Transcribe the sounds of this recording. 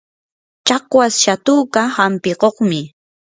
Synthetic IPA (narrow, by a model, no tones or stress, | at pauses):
t͡ʃɑqwasʃat̪uːkahampɪqoχmɪ